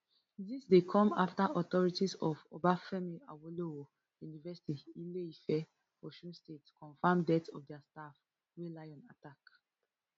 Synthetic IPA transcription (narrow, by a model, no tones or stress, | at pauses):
disdekʰɔ̃maftaʔɔt̪ɔɹitizɔvo̰bafɛmilawoloo | junivɛsi̥tiileifɛ | ɔʃũnstetkʰɔ̃nfãmdɛtɔ̰fdɛastaf | welaɪɔ̃natak